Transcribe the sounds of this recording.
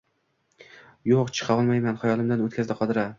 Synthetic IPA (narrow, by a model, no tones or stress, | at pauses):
joqt͡ʃʰɨ̥qʰɑɒlˠmajmanχajɒlˠɪmd̪anot̪kʰʲazd̪ɪqʰɒd̪ɪɾa